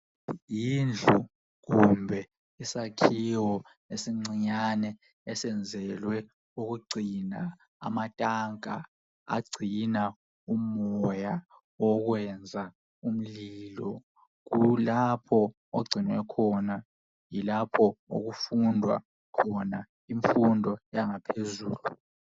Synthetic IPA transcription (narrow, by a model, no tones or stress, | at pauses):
jind͡ɮʱu | ɣumbʱɛ | isakʰiwɔ | esiŋ͡ǀiɲanɛ | ɛsɛnd͡zʱɛlwɛ | uɣuɡ͡ǀʱina | a̰matʼaŋa̰ | a̰ɡ͡ǀʱina | umɔja | ɔɣwɛnd͡zʱa | um̩liːlɔ | ɣulapʰɔ | oɡ͡ǀʱinwɛkʰɔna | jilapʰɔo̰ɣufundʱwa̰ | kʰɔna | iɱfundʱɔjaŋapʰezuːlu